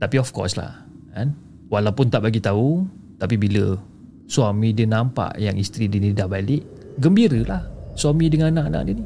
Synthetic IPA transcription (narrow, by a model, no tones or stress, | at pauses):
t̪apiɔfkɔ̰sla̰h | an | walawpʊnt̪aʔbaɡit̪au | t̪ap̬ibilə | swamĩdənampa̰ʔjaŋist̪ɾidənidabaliʔ | ɡəmbiɾəlahswamĩdəŋanãʔanã̰ʔdiəni